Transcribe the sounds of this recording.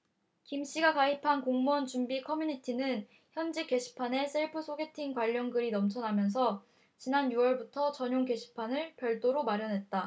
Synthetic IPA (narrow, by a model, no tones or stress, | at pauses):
kimɕ͈iɡakaɦipʰankoŋmʌnt͡ɕumbikʰʌmjuɲitʰinɯn | çjʌnd͡ʑike̞ɕʰi̥pʰane̞sʰeɭpʰɯsʰoɡe̞tʰiŋkwaʎːʌŋɡɯɾinʌmt͡ɕʰʌnamjʌns̬ʰʌ | t͡ɕinanjuwʌɭbutʰʌt͡ɕʌɲoŋke̞ɕʰi̥pʰanɯɭpjʌɭt͈oɾomaɾjʌnɦe̞t̚t͈a